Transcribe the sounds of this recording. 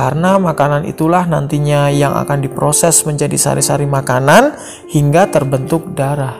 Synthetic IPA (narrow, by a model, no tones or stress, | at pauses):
karənamakananḭt̪ulahnant̪iɲajaŋa̰kandipɾosɛsməɲd͡ʒadisa̰ɾisaɾimakanan | hiŋɡat̪ərbənt̪ʊk̚daɾah